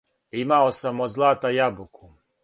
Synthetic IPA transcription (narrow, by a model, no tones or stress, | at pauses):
imaosamozlˠaːt̪ajabuku